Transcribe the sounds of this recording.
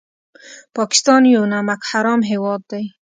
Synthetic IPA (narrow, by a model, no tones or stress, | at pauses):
pɑki̥st̪ɑːnjonamakhaɾɔːmɦewɔːd̪ːej